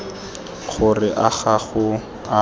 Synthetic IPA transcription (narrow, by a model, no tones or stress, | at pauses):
χʊrɪʔaχaχʊ | a